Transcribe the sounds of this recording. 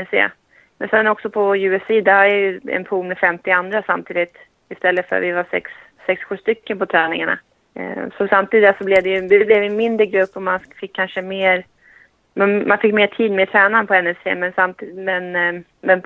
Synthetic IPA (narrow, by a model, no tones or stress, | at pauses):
ɛsḛː | mɛnsɛnɔksɔpʰɔjʉ̟ːɛsiːd̪aaɪjɵɛ̰npʰuːlmɛfɛmt̪ɪand̪ɾasamt̪ʰiːd̪ɪt̪ | ɪst̪ɛlːət̪fœ̰ɾa̰t̪vɪvasɛ̰ksː | ɛksɧʉ̟ːst̪ʏkːənpʰɔt̪ʰɾɛːnɪŋaɳa̰ | sɔsamt̪ʰiːd̪asɔblɛvd̪ɛjɵd̪ɛblɛvɛnmɪnd̪ɾəɡɾɵpːɔmanfɪkʰːanʂəmeːɾ | mɛnmanfɪkːmeːʈʰiːd̪meɛt̪ʰɾɛːnanpʰɔɛnɛsḛːmɛnsamt̪ːmɛn | mɛn